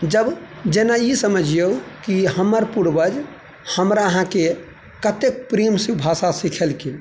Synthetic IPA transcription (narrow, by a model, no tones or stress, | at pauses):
d͡ʒəb | d͡ʒenaisəməd͡ʒʱjeukiɦəməɾpuɾbəd͡ʒ | həmɾaəɦãke | kət̪ek̚pɾimsibʱasasikʰelkʰil